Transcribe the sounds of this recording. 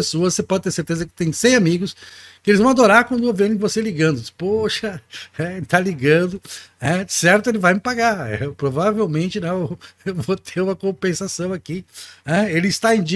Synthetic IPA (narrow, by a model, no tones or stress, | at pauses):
esoɐssepɔd͡ʒɪt̪eɾseɾt̪ezɐkɪ̥t̪ẽj̃sẽj̃amiɡʊskɪelɪzvɐ̃w̃ad̪oɾaɾkwɐ̃nd̪ʊovẽɾɪ̃voseliɡɐ̃nd̪ʊpoʃɐɛeɪt̪aliɡɐ̃nd̪ʊnɛd͡ʒɪsɛɾt̪ʊelɪvajmɪpaɡaḛwpɾovavewmẽnt͡ʃɪnɛ̃eevot̪ʰeɾũmɐkõpẽsasɐ̃w̃akinɛelɪɪst̪aẽj̃d͡ʒi